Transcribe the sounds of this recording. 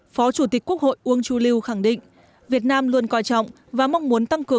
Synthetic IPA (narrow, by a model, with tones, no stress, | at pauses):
fɔ˨˦t͡ɕu˧˩t̪ï˨˩k̟̚ku˦˥k̚ho̰˧˨jʔu˨˧əŋt͡ɕu˨˧˦li˧wxa˧˩ŋɗḭ˧˨ŋ̟ | vi˨˩ət̚naː˧mlu˧ənkwaː˧˩jt͡ɕɔ̰˧˨wŋ͡m | vaː˨˩ma˧wŋ͡mmu˨˦ənt̪a˧ŋkɨ˨˩ə